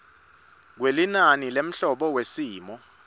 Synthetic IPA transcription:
k̬welinanilem̩ɬɔɓɔwesiːmɔ

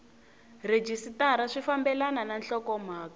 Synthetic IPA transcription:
red͡ʒisitaɾaʂifambɛlanananɬɔkɔm̤aːka

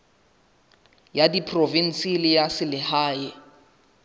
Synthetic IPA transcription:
jadipʰrovin̩silɪjasɪlɪhaːɪ

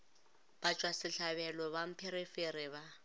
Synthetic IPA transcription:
b̥at͡ʃʼwasɪɬaβɛlɔβam̩pʰeɾifeɾɪβa

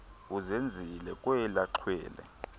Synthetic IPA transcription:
uzend͡zʱilɛkʼwɛlaǃʰwɛ̰ːlɛ̰

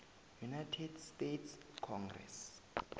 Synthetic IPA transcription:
junajtʰɛdstetʰskʰɔŋɡrɛ̰s

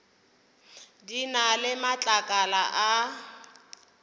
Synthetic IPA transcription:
dinalɪmat͡ɬʼakʼalaʔa

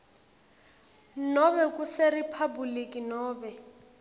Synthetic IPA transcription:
nɔβɛkʼuseripʰabulikʼinɔːbɛ

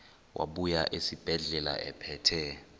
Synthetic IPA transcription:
wʔa̰ɓujaʔesib̥ʱɛɮɛla̰ʔɛpʰɛːtʰɛ

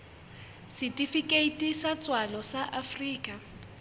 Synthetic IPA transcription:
sitʼifikʼeitʼisat͡sʼwalɔsaʔafriːkʼa

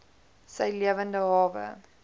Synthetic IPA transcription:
sɛjliəvəndəɦɑːvə̰

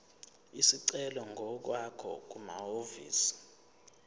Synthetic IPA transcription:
isiǀɛlɔŋɡʱɔk̬wakʰɔ̰k̬uma̰ovḭːsi̥

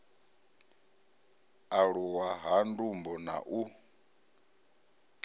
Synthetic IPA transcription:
aɺuwaɦandumbɔna̰ʔu

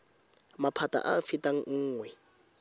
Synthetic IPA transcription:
mapʰatʼa̰ʔaːfitʼaŋ̩ŋ̩ːŋwɛ

